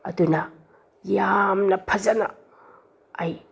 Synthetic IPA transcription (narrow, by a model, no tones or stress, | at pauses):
ɐ̰dunɐ | jamnɐpʰɐzɐnɐ̰ | aj